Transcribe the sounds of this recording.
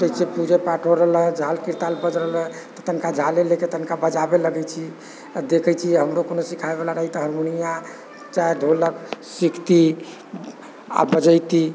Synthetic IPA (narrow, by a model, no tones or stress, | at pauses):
d͡ʒəisepud͡ʒepaʈʰoɾələd͡ʒʱalkiɾt̪albəd͡ʒɾələt̪ət̪ənkad͡ʒʱaleleket̪ənkabəd͡ʒabeləɡɛt͡ʃʰi | d̪ekʰɛjt͡ʃʰiɛɦəmɾokonosikʰaebelaɾəɦit̪əɦəɾmonija | t͡ʃaed̪ʱoləksikʰt̪i | a̰bəd͡ʒəjt̪i